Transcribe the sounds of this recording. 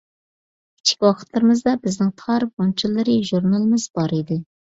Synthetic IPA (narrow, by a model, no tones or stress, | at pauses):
kʲʰi̥t͡ʃʰi̥kʲwɑqʰə̥t̪lˠɨɾɨmɨzd̪ɑbɪznɪŋt̪ʰɑɾbont͡ʃʰilˠːɨɾɨʒuɾnɑlˠɨmɨzbɑɾid̪ɪ